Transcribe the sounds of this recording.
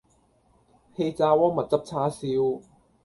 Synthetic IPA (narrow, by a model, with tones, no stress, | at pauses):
he˧jt͡saː˧wɔː˥ŋmɐ˨t̚t͡sɐ˥p̚t͡sʰaː˧˥siː˧w